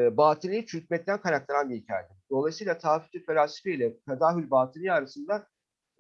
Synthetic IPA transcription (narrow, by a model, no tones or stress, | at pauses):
baːt̪ʰilʲˠijt͡ʃʰyt̪̚mɛt̪ʲːænkʰaɾak̚t̪aɾanbiɦicʰaːjet̪ʰɛd̪o̞lˠajsɯjlˠat̪ʰaːfiɛt̪ʰelʲaːsi̥feilʲɛt̪ʰad̪aːɦylʲbaːt̪ʰilʲˠijiaɾasɯnd̪a